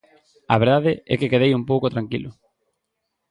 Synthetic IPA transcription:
a̰βeɾðaðɪɛ̰kɪkeðejumpowkʊt̪ɾaŋkilʊ

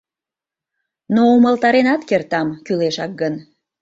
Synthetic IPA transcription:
nouməlt̪ɑɾenɑt̪kert̪ɑmkyleʃɑk̚ɡən

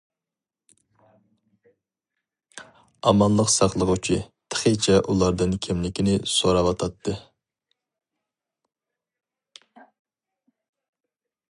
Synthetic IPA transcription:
ɑmɑnlˠəqsɑχlˠəʁʊt͡ʃʰit̪ʰə̥χət͡ʃʰɛʔulˠɑɾd̪ɨnkʲʰimlɪkʲinɪsoɾɑwɑt̪ʰɑt̪ʰːɨ

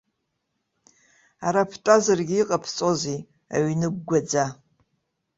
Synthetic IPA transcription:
aɾapʰtʼazarɡʲiiqʼapʰt͡sʼozi | a̰ɥnɨɡɡʷad͡za

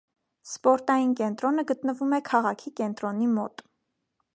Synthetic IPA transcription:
spɔɾt̪ɑjinkɛnt̪ɾɔnəɡət̪nəvumɛkʰɑʁɑkʰikɛnt̪ɾɔnimɔ̰t̪

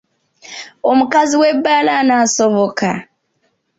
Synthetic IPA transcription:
omukaziwebːaːlanaso̞βoka

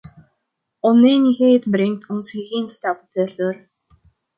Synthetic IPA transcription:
ʊniːnixeːt̪pɾiŋt̪ʰʊnsxiɣiːnst̪apt̪ʰœːrɮoːr

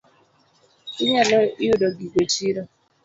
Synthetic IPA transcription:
iɲelɔiudɔɡiɡʷet͡ʃiɾɔ

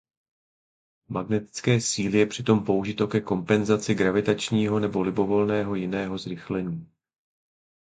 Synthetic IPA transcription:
maɡnɛt̪ɪ̥t͡skɛːsiːlɪjɛpr̝̥ɪt̪o̞mpo̞wʒɪt̪o̞kɛko̞mpɛnzat͡sɪɡɾavɪt̪at͡ʃɲiːɦo̞nɛbo̞lɪbo̞vo̞lnɛːɦo̞jɪnɛːɦo̞zɾɪxlɛɲiː

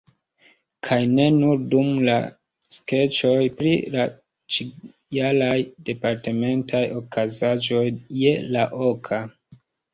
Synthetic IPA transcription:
kʰajne̞nuɾdumla̰ | ske̞t͡ʃo̞jpɾḭla | t͡ʃi | alajde̞paɾteme̞ntʰajo̞kazad͡ʒo̞jːelaʔo̞kʰa

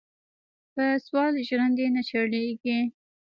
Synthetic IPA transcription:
pəswɑlʒɾand̪enat͡ʃaɽeɡi

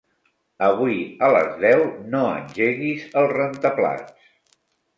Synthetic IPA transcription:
əβ̞uiələ̰zðɛwnoə̰nʲʒeɣizəlˠzrənt̪əpla̰t͡s

